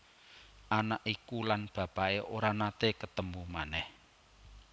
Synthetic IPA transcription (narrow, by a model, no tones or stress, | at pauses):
ʔanaʔikulanb̥ä̤b̥aeʔoɾanat̪ekət̪əmbumanɛh